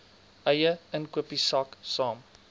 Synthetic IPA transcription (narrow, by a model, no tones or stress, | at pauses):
ʔɐjəənkwəpisɑksɑːm